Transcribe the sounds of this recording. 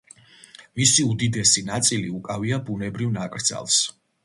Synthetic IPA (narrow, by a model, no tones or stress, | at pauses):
misiud̪id̪ɛsinat̪sʼiliukʼaviabunɛbɾivnakʼɾd̪za̰lˠs